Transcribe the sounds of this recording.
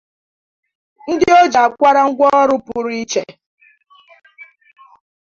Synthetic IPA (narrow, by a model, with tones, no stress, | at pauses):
n̩˦dɪ˦o˦d͡ʒa˨kʷa˦ɾa˦ŋ̩˦ɡʷɔ˦ɾʊ˦pʊ˦ɾi˦t͡ʃe˨˦